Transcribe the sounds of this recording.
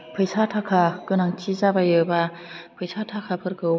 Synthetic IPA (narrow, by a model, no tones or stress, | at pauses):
pʰɯjsatʰakʰakɯnaŋt͡ʃizabajɯba | pʰɯjsatʰakʰapʰɯɾkʰɯ